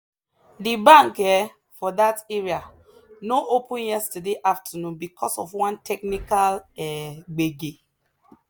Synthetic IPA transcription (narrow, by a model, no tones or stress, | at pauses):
dibãŋkɛ | fɔdateɹia | noʔopũnjɛstədeʔaftʰənũnbikʰɔsɔfwãntʰɛk̚nikalɛɡ͡beɡe